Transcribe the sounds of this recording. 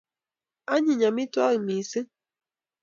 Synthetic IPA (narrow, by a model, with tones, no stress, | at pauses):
a˦ɲi˨ɲa˨mi˦twa˦ɣi˨mi˨se˦